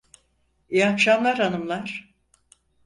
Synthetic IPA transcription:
ijahʃamlˠaɾhanɯmlˠaɾ̥

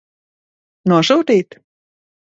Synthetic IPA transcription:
nuɔʃut̪iːt̪

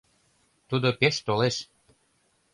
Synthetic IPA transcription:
t̪ud̪opeʃt̪oleʃ

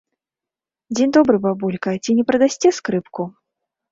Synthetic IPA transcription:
d͡zʲind̪ɔbɾɨbabulʲkɐt͡sʲinʲɛpɾɐd̪asʲt͡sʲɛskɾɨpku

